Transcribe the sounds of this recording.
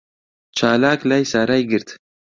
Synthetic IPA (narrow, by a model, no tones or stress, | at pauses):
t͡ʃaːlaːklajsaɾajɡəɾt̪